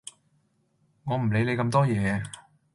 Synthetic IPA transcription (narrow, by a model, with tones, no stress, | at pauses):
ŋɔː˨˧m̩˨˩le˨˧jle˨˧kɐ˧mt̪ɔː˥jɛː˨˧˥